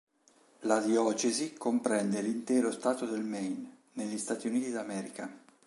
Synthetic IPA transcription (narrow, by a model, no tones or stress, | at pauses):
lad̪jɔːt͡ʃezikompɾɛnd̪elint̪ɛːɾost̪aːt̪od̪elmɛjnː | eʎːist̪aːt̪iuniːt̪id̪amɛːɾika